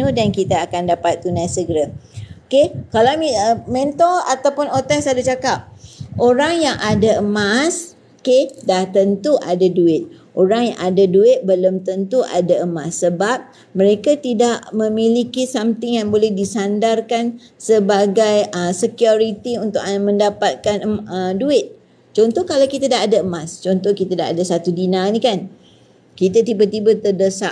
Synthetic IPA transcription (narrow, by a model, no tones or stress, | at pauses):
nudankit̪aːkandapat̪̚ːunajsəɡəɾaokekalawmiəmẽnt̪ɔlat̪awpʊnot̪ɛsadut͡ʃakap̚ʔoɾaŋjaŋʔadaəmas | okedaht̪ənt̪uʔadaduɪt̪̚ʔoɾaŋjã̰ŋadaduɪt̪̚bələmt̪ənt̪uʔa̰daəmasːəbap̚ | məɾekat̪idaʔmə̃milikisamt̪ɪŋjaŋbolɛhdisandarkan | səbaɡajəsəkijoɾit̪iunt̪ʊkmə̃ndapat̪̚kanəduɪt̪̚ | t͡ʃɔnt̪ɔhkalawkit̪adaadaəmast͡ʃɔnt̪ɔhkit̪adaa̰dasat̪udinãnĩkan | kit̪at̪ibat̪ibat̪ərdəsaʔ